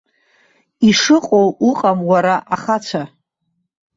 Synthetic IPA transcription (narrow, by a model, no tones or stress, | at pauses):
iʂɨqʼowuqʼamwaɾaʔaχat͡sʷʰa